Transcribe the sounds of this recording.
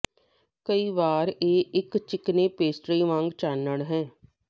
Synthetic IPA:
kəiːʋaːɾeːʔɪkt͡ʃɪkneːpeːsʈɾiːʋãːŋɡt͡ʃaːnəɽɦɛ̃ː

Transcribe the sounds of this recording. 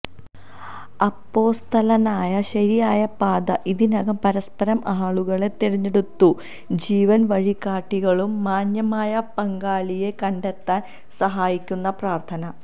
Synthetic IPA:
ɐpːo̞ːst̪ʰɐlɐnaːjɐɕɐɾijaːjɐpaːd̪ɐʔiðinɐɣɐmpɐɾɐspɐɾɐmaːɭuɣɐɭe̞t̪ːeɻiɲːeɽut̪ːu | d͡ʑiːʋɐnʋɐɻikːaːʈːiɣɐɭumːaːɲjɐmaːjɐpɐŋɡaːlije̞kɐɳɖet̪ːaːn | sɐɦaːjikʲːunːɐpraːrt̪ʰɐnɐ

